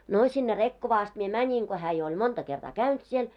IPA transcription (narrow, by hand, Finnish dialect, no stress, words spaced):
no sinːe rekːoʋɑː ɑst mie mænʲin ko hæː jo olʲ montɑ kertɑː kæynt siel